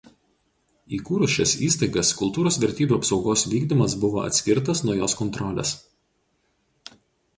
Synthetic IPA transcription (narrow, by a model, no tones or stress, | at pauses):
iːkuːɾʊʃʲɛsiːst̪ɐɪɡɐskʊlˠt̪uːɾoːsʋʲɛɾʲt̪ʲiːbʲuːɐpsɒʊɡoːsʋʲiːɡd̪ʲimɐs̬bʊʋo̰ːʔɐ̰t̪ʲsʲkʲɪɾt̪ɐsnuɔjoːskɔnt̪ɾɔlʲḛːs